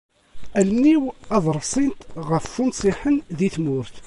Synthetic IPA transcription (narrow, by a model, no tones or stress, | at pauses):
ælniwɑðˤɾˤsˤint̪ʁəfːʊnsˤiħənðiθmʊɾθ